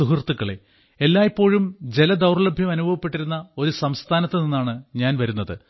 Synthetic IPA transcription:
uɦirt̪ːukːɐɭe | elːaːjipːo̞ːɻumd͡ʑe̞lɐd̪ɐwrɐlɐbʱjɐmɐnubʱɐʋɐpːe̞ʈːiɾunːɐo̞ɾusɐmst̪ʰaːnɐt̪ːɨninːaːɳɨɲaːnʋɐɾunːɐðɨ

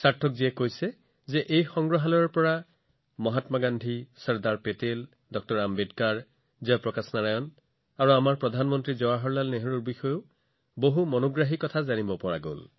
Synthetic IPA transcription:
saɹtʰɔkziɛkojsɛ | zɛʔejxɔŋɡɹɔɦalɔɹpɔɹa | mɔɦatmaɡandʱisɔɹdaɹpetel | dɔk̚tɔɹambedkaɹ | ziapɹɔkasnaɹajɔn | aɹuamaɹpɹɔdʱanmɔntɹizɔwaɦɔɹlalneɦɔɹuɹbixɔjʊ | boɦumɔnoɡɹaɦikːɔtʰazanibɔpɔɹa̰ɡo̰l

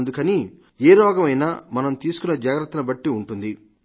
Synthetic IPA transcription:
nd̪ukɐni | eːɾɔːɡɐmɐjnaːmɐnɐmt̪iːsu̥kunːɐd͡ʒaːɡɾɐt̪ːɐnɐbɐʈːiuɳʈund̪i

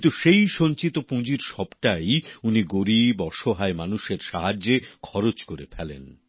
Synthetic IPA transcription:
nt̪uʃejʃont͡ɕit̪opũd͡ʑiɾʃɔbʈajuniɡoɾibɔʃoɦaemanuʃeɾʃaɦad͡ʑekʰɔɾot͡ɕkoɾḛpʰɛlḛn

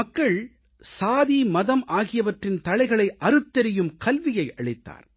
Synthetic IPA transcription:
ɐkːɐɭ | saːðimɐðɐmʔaːɣɪjɐʋɐʈrɪnt̪ɐɭɐɪɣɐɭɐɪʔɐɾɯt̪ːɛɾɪjɯmkɐlʋɪjɐɪʔɐɭɪt̪ːa̰ːɾ

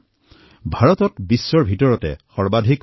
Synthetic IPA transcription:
bʱaɹɔtɔtbisːɔɹbʱitɔɹɔtɛ̰xɔɹbadʱik

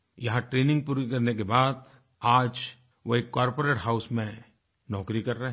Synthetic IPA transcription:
jɐɦãʈɾeːnɪ̃ŋɡ̚puːɾikɐɾnekebaːd̪ | aːd͡ʒ | ʋoeːkːaːɾpoɾeːʈɦaʊsmẽ | nɔːkɾikɐɾːɐɦɛ

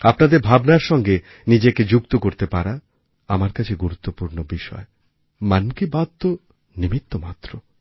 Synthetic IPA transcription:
apnad̪eɾbʱabnaɾʃɔŋɡe | nid͡ʑeked͡ʑuk̚t̪okoɾt̪epaɾa | amaɾkat͡ɕʰeɡuɾut̪ːopuɾnobiʃɔ̰e | mankibad̪t̪o | nimit̪ːomat̪ːɾo

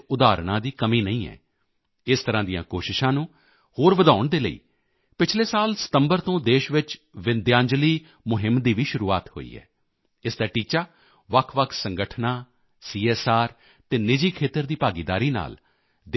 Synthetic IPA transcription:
ʊd̪aːɾɳãːd̪iːkəmiːnəĩːɛ̰ː | ɪst̪əɾãːd̪ɪjã̰ːkoːʃɪʃãːnũː | hoːɾʋəd̪aːʊɳd̪eːləḭː | pɪt͡ʃʰleːsaːlsə̥t̪əmbəɾt̪õːd̪eːʃʋɪt͡ʃ | ʋɪnd̪jãːɲd͡ʒliː | mʊɦɪmd̪iːʋiːʃʊɾuːaːt̪ho̰ːḭːɛ̰ː | ɪsd̪aːʈiːt͡ʃaː | ʋəkʰʋəkʰsəŋɡəʈʰnãː | siːeːsaːɾ | t̪eːnɪd͡ʒiːkʰeːt̪əɾd̪iːpaːɡiːd̪a̰ːɾiːna̰ːl | d̪

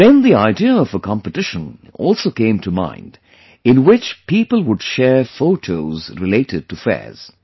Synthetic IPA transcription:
ðɛ̃nðiaɪdiəʌvəkʰɑ̃mpɨtɪʃə̃nɔ̰lˠsoʊkẽɪ̃mtʰəmã̰ɪ̃nd | ɨ̃nwɪt͡ʃpʰipəlˠwʊd̥ʃɛɹfoʊtʰoʊzɹɨleɪɾɨd̚tɨfɛ̰ɹz̥

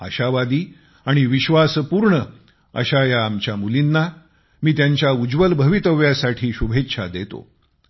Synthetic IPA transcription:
ə̰ɕaʋad̪iː | aɽ̃iʋiɕʋaspuɾɳə | ə̰ɕajaːmt͡ɕjamulinːa | miːt̪jaɲt͡ɕjaud͡ʑʋəlbʱəʋit̪əʋjasaʈʰiːɕubʱet̪ːɕʰa̰d̪et̪o̰

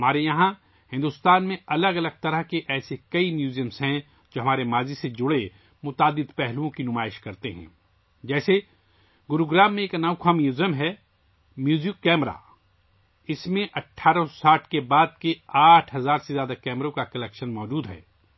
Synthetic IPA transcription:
ɦɐmaːɾejɐɦã | hɪ̃nd̪ʊst̪aːnmẽɐləɡɐləɡ̚t̪ɐɾəɦkeʔɛːsekɐimjuːzjəmsɦɛ̃ | d͡ʒoːɦɐmaːɾemaːzised͡ʒʊɽe | mʊt̪aːd̪ːɪd̪pɛɦluõkinʊmaːɪʃkɐɾt̪eɦɛ̰̃ː | d͡ʒɛːse | ɡʊɾuɡɾaːmːẽːknaːwkʰaːmijʊzəmɦɛː | mjuːzɪjkːɛːmɾa̰ː | ɪsmẽʔɐʈʰːaːɾasaːʈʰkebaːd̪̚keaːʈʰɦɐzaːɾsezjaːd̪akɛːmɾõkakɐlɛkʃənmɔːd͡ʒuːd̪ɦɛ̰ː

